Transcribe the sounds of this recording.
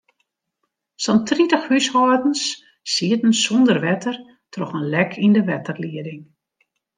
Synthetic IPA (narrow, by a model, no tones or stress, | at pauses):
sɔntritəxhyshɔədn̩s | siətn̩sɔndərʋɛtʰər | trɔxənlɛkʰindəʋɛtərliədɪŋ